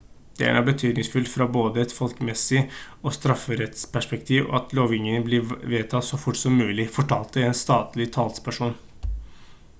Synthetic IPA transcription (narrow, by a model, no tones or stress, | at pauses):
d̪̥ɛ̰æ̰ɾæ̰bət̪ʰyːd̪nɪŋsfʉlt̪fɾɑboːd̪əɛt̪fɔlkmɛsːɪ | ɔst̪ɾɑfːəɾɛt̪spʰæʂpɛkt̪ʰiːʋɔ̰ɑt̪ʰloːʋɪŋːənəblɪʋeːt̪ʰɑt̪sɔfʊʈːsɔmːʉːlɪfɔʈʰɑːlt̪əɛnst̪ɑːt̪lɪt̪ʰɑːlspʰæʂuːn